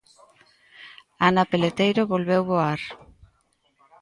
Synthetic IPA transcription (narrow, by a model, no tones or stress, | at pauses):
anapelet̪ejɾoβolβewβoaɾ